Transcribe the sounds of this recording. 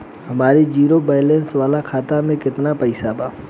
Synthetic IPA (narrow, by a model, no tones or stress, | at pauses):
ɦɐmaːɾid͡ʒiːɾobaːɪlensʋaːlakʰaːt̪amẽkɪt̪napɐɪsabaː